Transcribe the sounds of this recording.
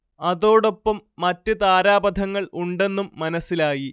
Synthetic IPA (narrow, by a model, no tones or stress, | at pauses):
ɐðo̞ːɽo̞pːɐmːɐtːɨt̪aːɾaːbɐd̪ʱɐŋːɐɭuɳɖe̞nːumːɐnɐsːilaːji